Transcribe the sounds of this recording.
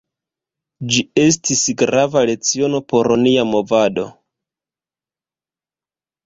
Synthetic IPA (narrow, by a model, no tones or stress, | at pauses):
d͡ʒie̞s̬tisɡɾavale̞t͡sio̞no̞po̞ɾoniamo̞vado̞̰